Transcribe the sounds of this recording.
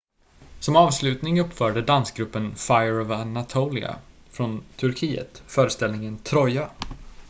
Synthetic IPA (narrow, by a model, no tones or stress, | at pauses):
sɔmɑːvslʉ̟ːt̪nɪŋɵpːfœːɖəd̪anskɡɾɵpːənfajɾɔvanat̪ʰoːlɪ̰a̰ | fɾɔnt̪ʰɵɾkʰiːə̰t̪fœːɾəst̪ɛlnɪŋənt̪ʰɾɔja